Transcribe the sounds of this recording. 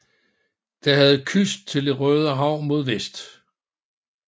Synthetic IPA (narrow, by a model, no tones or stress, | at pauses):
d̥ɑ̈hæð̞̩ˠkʰysd̥̚t͡sʰe̝ld̥e̝ʁœːð̞ˠəɦɑ̈ʊ̰mo̝ð̞ˠʋesd̥